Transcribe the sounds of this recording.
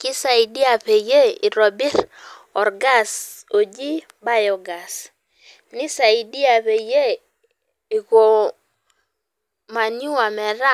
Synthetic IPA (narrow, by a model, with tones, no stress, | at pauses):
kɪ˦sa˨i˨di˦a˨pe˨je˦i˨ɾɔ˨bi˦ɾɔ˨rɡa˦˨so˨d͡ʒi˦ | ba˦jɔ˨ɡa˨s | nɪ˦sa˨i˨di˦a˨pe˨je˦ | i˨ɣo˨ | ma˨nju˦a˨mɛ˨ɾa˦